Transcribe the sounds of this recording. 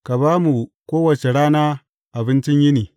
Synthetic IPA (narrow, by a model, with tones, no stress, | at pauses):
ka˨baː˦mu˨koː˦wɐ˨t͡ʃe˨ɽaː˦naː˦ | ʔa˨bɪ˦nt͡ʃɪ˦ɲjɪ˦niː˨